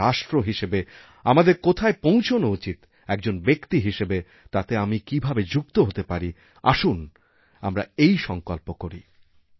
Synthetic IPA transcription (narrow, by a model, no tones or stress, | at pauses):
aʃʈɾoɦiʃebe | amad̪eɾkot̪ʰaepõw̃t͡ɕʰonout͡ɕit̪ | ɛk̚d͡ʑonbekt̪iɦiʃebe | t̪at̪eamikibʱabed͡ʑuk̚t̪oɦot̪epaɾi | a̰ʃun | a̰mɾa̰ejʃɔŋkolpokoɾḭ